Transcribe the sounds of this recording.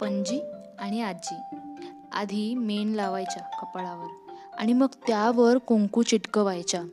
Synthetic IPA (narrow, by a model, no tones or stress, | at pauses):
pəɲd͡ʑiː | aɽ̃iat̚d͡ʑiː | a̰d̪ʱimenlaʋajt͡ɕakəpɭaʋəɾa̰ɽ̃iməɡt̪jaʋəɾkõŋkuːt͡ɕiʈkəʋajt͡ɕa